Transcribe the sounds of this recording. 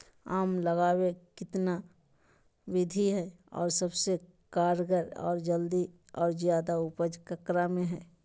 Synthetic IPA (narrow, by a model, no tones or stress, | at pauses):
aːmləɡaːwekɪt̪na | ʋɪd̪ʱiɦɛ | ɔ̰ːɾsəbse | kaːɾɡəɾɔ̰ːɾd͡ʒəld̪i | ɔːɾzjaːd̪aʊpəd͡ʒkəkɾamẽɦɛː